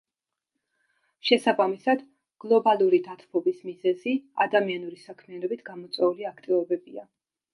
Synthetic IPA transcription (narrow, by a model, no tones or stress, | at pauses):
ʃɛsabamisad̪̥ | ɡ̥lˠɔbalˠuɾid̪at̪ʰpʰɔbismizɛzia̰d̪amianuɾisakʰmianɔbit̪ʰɡ̥amɔt̪sʼwɛuliakʰt̪ʼivɔbɛbia